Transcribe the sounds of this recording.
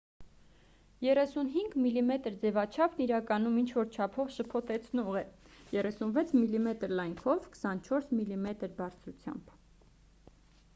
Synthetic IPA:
jɛrɛsunɦiŋɡmilimɛt̪əɾd͡zɛvɑt͡ʃʰɑpʰniɾɑkɑnumint͡ʃʰvɔɾt͡ʃʰɑpʰɔvʃəpʰɔt̪ɛt͡sʰnɔʁɛ | jɛrɛsunvɛt͡sʰmilimɛt̪əɾlɑjŋkʰɔvkə̥sɑnt͡ʃʰɔɾsmilimɛt̪əɾbɑɾt͡sʰɾut͡sʰjɑ̰mb̥

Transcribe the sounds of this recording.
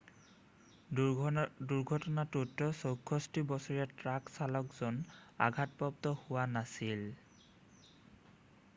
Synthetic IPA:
duɹɡʱɔtɔnatutːɔsokʰːɔstibɔsɔɹɛtɹaksalɔkz̥ɔna̰ɡʱat̚pɔp̚tɔhʊwanasil

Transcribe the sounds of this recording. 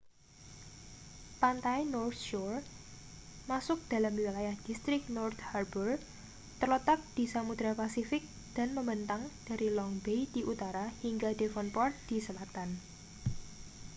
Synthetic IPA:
pant̪ainɔrt̪̚ʃɔr | masʊk̚d̪̥a̤lamiwilajahd̪̥ist̪ɾɪk̚nɔrt̪harbər | t̪ərlət̪ak̚d̪̥i̤samud̪ɾapasifɪk̚ | d̪̥a̤nməmbənt̪aŋd̪̥a̤ɾilɔŋbejd̪̥iʔut̪aɾahiŋɡad̪̥efɔnpɔrt̪̚d̪̥isəlat̪an

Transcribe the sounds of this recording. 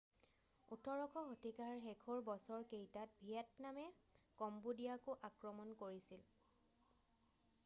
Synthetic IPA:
utʰɔɹɔkʰɔɦotikaɹxɛkʰɔɹbɔsɔɹkejtat̚bʱiatnamɛ | kɔmbudijakʊʔakɹɔmɔnkoɹisil

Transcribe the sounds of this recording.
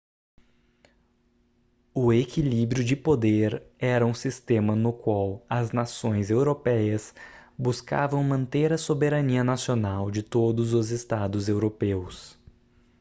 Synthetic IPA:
ʊekilibɾjʊd͡ʒɪpod̪eɾɛɾɐũsist̪ẽmɐnʊkwawɐznasõj̃zewɾopɛjɐsbuska̰vɐ̃w̃mɐ̃nt̪eɾɐsobeɾɐniɐnasionawd͡ʒɪt̪od̪ʊzʊzɪst̪ad̪ʊzewɾopews

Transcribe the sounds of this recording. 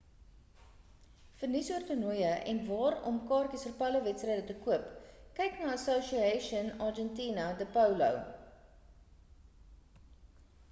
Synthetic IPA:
fərnisuərtənujəʔɛ̰nvɑːɾɔ̰mkɑːrkəsfərpɐləvɛtstrɛjdətəkuəpkɛjknɑːəsoʃiɛʃiənɑːrd͡ʒɛntiːnɐdəpɐwlɐ̰w

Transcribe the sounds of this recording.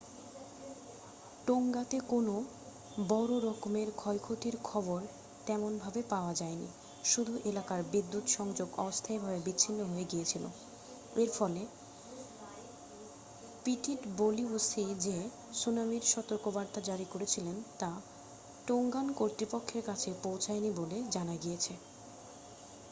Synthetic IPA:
ʈoŋɡat̪ekono | bɔɾoɾɔkmeɾkʰɔjkʰot̪iɾkʰɔboɾ | t̪ɛmonbʱabepaoad͡ʑaenḭ | ʃud̪ʱuʔelakaɾbid̪ːut̪ʃɔŋd͡ʑoɡɔ̰bost̪ʰaebʱabebiːɕʰinːoɦoeɡijet͡ɕʰilo̰ | eɾfɔle | piʈiʈboliusid͡ʑe | sunamiɾʃɔt̪oɾkobaɾt̪ad͡ʑaɾikoɾet͡ɕʰilent̪a | ʈoŋɡankoɾt̪ɾipokʰːeɾkat͡ɕʰepowt͡ɕʰajniboled͡ʑanaɡijet͡ɕʰe

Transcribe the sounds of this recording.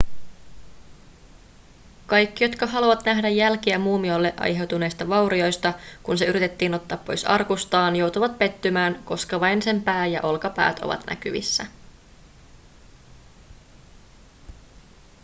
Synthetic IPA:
kɑjkːijo̞t̪kɑɦɑluʋɑt̪næɦdæjːælkiæmuːmiolːe̞ʔɑ̰jɦe̞wt̪une̞jst̪ɑʋɑwɾio̞jst̪ɑkunse̞yɾit̪e̞t̪ːiːno̞t̪ːɑːpːo̞jsɑ̰rkust̪ɑːnjo̞wt̪uʋɑt̪̚pe̞t̪ːymæːnko̞skɑʋɑjnse̞mpæːjɑ̰ʔo̞lkɑpæ̰ːt̪o̞̰ʋɑ̰t̪næ̰kyʋḭsːæ

